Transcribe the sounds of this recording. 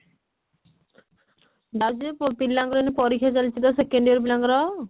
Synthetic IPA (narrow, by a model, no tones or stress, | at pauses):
d̪ad͡ʒid̪eppilːaŋɡɾɔnipɔɾikʰjat͡ʃalit͡ʃʰid̪ɔsekeɳɖiɔɾp̬ilaŋɡɾɔ